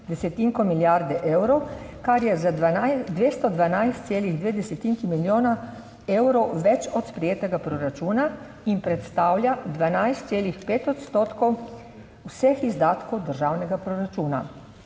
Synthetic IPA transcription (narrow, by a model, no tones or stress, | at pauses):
d̪ɛsɛt̪iŋkɔmiljaɾd̪ɛʔeːwɾɔwkaɾjɛzaaad̪ʋeːst̪ɔd̪ʋanajst̪seːliɣd̪ʋeːd̪ɛsɛt̪iŋkimiljoːna | ewɾɔwʋɛt͡ʃɔt̪spɾɛjeːt̪ɛɡapɾɔɾat͡ʃuːna | impɾɛt̪st̪aːwlʲjad̪ʋanajst̪seːlixpeːt̪ɔt̪st̪oːt̪kɔw | wsɛxizd̪aːt̪kɔwd̪əɾʒaːwnɛɡapɾɔɾat͡ʃuːna̰